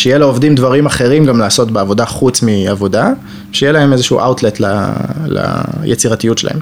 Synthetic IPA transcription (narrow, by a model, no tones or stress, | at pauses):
ʃejelaovdimdvaʁimaχe̞ʁimɡamlaːso̞tbeavo̞daχut͡smiavo̞da | ʃejelae̞me̞zeʃṵʔa̰wtletla̰la̰jet͡siʁatijutʃela̰hem